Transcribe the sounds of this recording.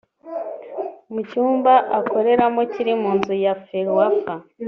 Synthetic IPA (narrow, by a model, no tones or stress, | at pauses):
mucuːmbaʔako̞ɾe̞ɾamo̞ciɾimuːnzujafeɾwafa